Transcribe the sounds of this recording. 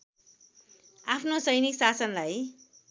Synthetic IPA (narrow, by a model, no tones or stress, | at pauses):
apʰnosʌjniksasʌnlaj